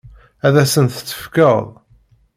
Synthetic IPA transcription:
æðæsənθət͡sːə̥fkəðˤ

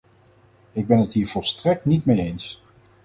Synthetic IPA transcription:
ɪɡ̚bɛnətɦiːɹv̥ɔlˠstrɛk̚tnitmejejns

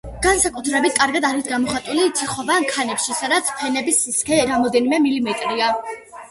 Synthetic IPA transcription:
ɡ̥ansakʼut̪ʰɾɛbit̪̚ʰkʼaɾɡad̪aɾisɡamɔχat̪ʼulit̪ʰiχɔbamkʰanɛpʃisad̪at̪sʰpʰɛnɛbisːiskʰɛɾamɔd̪ɛnimɛmilimɛt̪ʼɾia

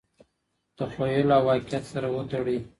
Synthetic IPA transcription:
d̪̥əxojəloawːɑqɪat̪saɾawət̪aɽi

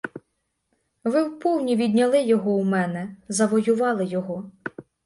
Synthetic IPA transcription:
ʋɪwpɔwnʲiʋʲid̪ʲnʲɐlˠɪjɔɦɔwmɛnɛzɐʋɔjʊʋɑlˠɪjɔɦɔ

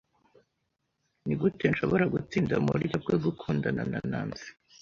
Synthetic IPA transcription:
niɡute̞nʃo̞βoɾaɡut͡siːndamṵɾiɟab̚ɡeɡukʰuːndana̰na̰na̰ːnzi̥

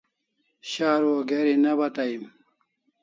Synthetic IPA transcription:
ɕaːɾwoɡeɾinɐbɐt̪aim

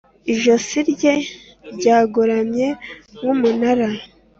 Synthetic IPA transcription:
iʒosiɾɟe̞ | ɾɟaːɡoɾamɲe̞ŋumunaɾa

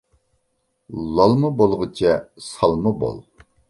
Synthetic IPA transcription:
lˠɑlˠmɨbolˠʁɨt͡ʃʰɛsɑlˠmɨbo̰lˠ

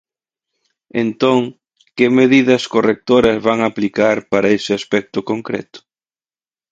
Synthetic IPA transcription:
ent̪oŋ | kɪmeðiðɐskorek̚t̪oɾɐzβaŋaplikaɾpaɾɐesɪaspɛk̚t̪ʊkoŋkɾɛ̰t̪ʊ̥

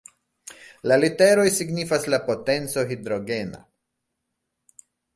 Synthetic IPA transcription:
lalite̞ɾo̞jsiɡnifaslapo̞te̞nt͡so̞ɦid̪ɾo̞ɡe̞na̰

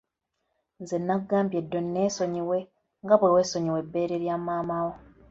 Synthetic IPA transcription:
nzenːaɡːaːmbje̞dːo̞nːe̞ːso̞ɲiwe̞ | ŋɡaβuliwe̞ːso̞ɲiwe̞bːe̞ːɾeɾjaːmaːmawo

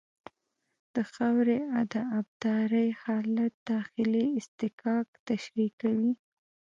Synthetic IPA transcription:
d̪̥əxawɾead̪aːb̚d̪ɑɾəjhɑlat̪̚d̪̥ɑxɪliɪst̪ɪkɑkt̪aʃɾikawi

